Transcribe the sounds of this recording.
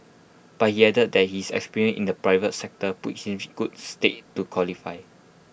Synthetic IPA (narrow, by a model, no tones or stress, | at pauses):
b̥at̚hiɛdət̚dɛt̚hisɛ̰kspiɹiə̃nʔḭ̃ndəpɹaɪvətsɛk̚təpṵt̚hĩmɡ̥ut̚stetːukʰwɔlifaɪ